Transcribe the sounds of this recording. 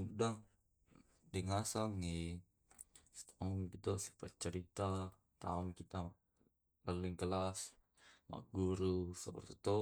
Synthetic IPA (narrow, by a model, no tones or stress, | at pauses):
udaŋ | diŋasaŋi | st̪aɔŋkit̪osi̥pat͡ʃəɾit̪a | t̪a̰ɔŋkit̪a | pəlɪŋkəlas | ma̰ʔɡuɾusəpərt̪i̥t̪o